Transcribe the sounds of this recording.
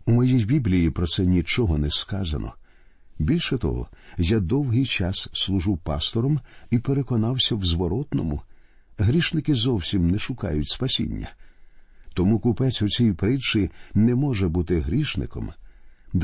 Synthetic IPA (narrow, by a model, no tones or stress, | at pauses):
umɔjijbʲiblʲijipɾɔt̪sɛnʲit͡ʃɔɦɔnɛskɑzɐ̰nɔ̰ | bʲilʲʃɛt̪ɔ̰ɦɔ̰jad̪ɔwɦɪjt͡ʃɑsːlˠʊʒɪwpɑst̪ɔɾɔmipeɾekɔnɑwsʲɐwzʋɔɾɔt̪nɔmʊ | ɦɾʲiʃnɪkɪzɔwsʲimnɛʃʊkɑ̰jʊtʲspɐsʲḭnʲːɐ̰ | t̪ɔmukʊpɛt͡sʲʊt͡sʲijipɾɪt͡ʃɪnɛmɔʒɛbut̪ɪɦɾʲiʃnɪ̰kɔ̰md̪